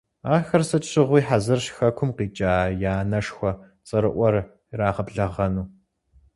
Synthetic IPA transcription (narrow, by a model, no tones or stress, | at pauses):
aːxɐrsɐt͡ʃʼɕɪʁʷiːħazɨrɕxɐkʷʰʊmqiːt͡ʃʼaːjaːnɐʂxʷɔ | t͡sʼɐɾɨʔʷɔr | raːʁɐbɮɐʁɐnuː